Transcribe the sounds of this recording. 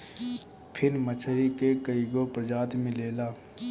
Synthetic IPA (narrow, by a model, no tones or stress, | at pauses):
pʰɪɾmət͡ʃʰəɾikekəiɡopɾəd͡ʒaːt̪mɪ̃leːlaː